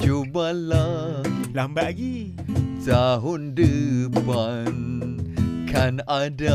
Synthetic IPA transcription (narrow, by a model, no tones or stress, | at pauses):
d͡ʒubalalambaʔaɡi | taɦʊndəpan | kʰanada